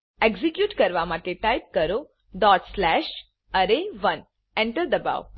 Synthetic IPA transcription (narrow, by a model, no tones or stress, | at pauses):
eɡzikjuːʈkəɾʋamaʈeʈajp̚kəɾo | ɖɔʈslæʃ | əɾeʋən | ɛ̃ɳʈəɾd̪əba̰ʋ